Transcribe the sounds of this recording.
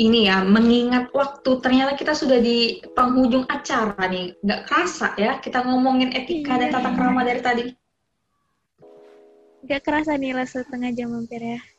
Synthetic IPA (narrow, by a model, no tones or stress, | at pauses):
inijaməŋiŋat̪̚wak̚t̪ut̪ərɲat̪akit̪asudahdipəŋɦud͡ʒʊŋat͡ʃaɾaniŋɡaʔkəɾasa̰jakit̪aŋɔmɔŋɪnet̪ikadat̪at̪akɾamadaɾit̪adi | ŋɡaʔkəɾasanilasət̪əŋad͡ʒaməmpɪrja